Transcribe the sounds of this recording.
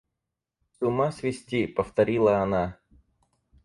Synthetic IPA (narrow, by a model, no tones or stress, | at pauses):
sʲʊmasʲvʲɪsʲtʲipəft̪ɐɾʲilˠəɐna